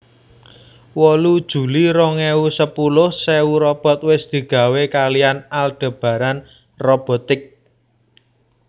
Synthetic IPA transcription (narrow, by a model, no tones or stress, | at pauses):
wɔlud̥ʒ̥ṳliɾɔŋeusəpulʊhsɛuɾɔb̥ɔ̤t̪̚wɪsd̪̥i̤ɡ̥ä̤wekalijanalɖ̥ə̤b̥ä̤ɾan | rɔb̥ɔ̤t̪ɪk̚